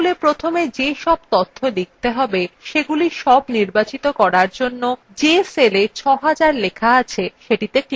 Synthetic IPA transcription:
lepɾot̪ʰomed͡ʑeʃɔb̚t̪ot̪ʰːolik̚t̪eɦɔbeʃeɡuliʃɔbniɾbat͡ɕit̪okɔɾaɾd͡ʑonːo | d͡ʑeselet͡ɕʰɔɦad͡ʑaɾlekʰaat͡ɕʰeʃeʈit̪ek

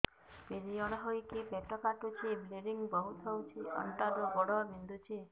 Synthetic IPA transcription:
peɾijɔɽɔɦojkipeʈɔkaʈut͡ʃʰibleɾiŋbɔɦut̪ʰɔwt͡ʃʰiɔ̰ɳʈad̪uɡɔɽɔbind̪ut͡ʃʰi

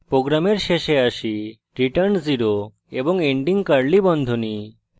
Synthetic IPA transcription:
pɾoɡɾameɾʃeʃeaʃi | ɾiʈəɾnziɾo | eboŋeɳɖiŋkaɾlibɔnd̪ʱoni

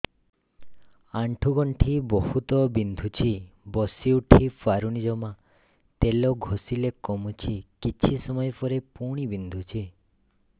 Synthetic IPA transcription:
aɳʈʰuɡɔɳʈʰibɔhut̪ɔbind̪ʱut͡ʃʰibɔsiuʈʰifʰaɾunid͡ʒɔma | t̪elɔɡʱosilekɔmut͡ʃʰikit͡ʃʰisɔmɔjpɔɾepuɽ̃ibind̪ʱut͡ʃʰi

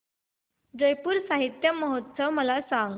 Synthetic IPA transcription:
d͡zəjpuːɾsaɦit̪jəməɦot̪səʋməlasãŋɡ

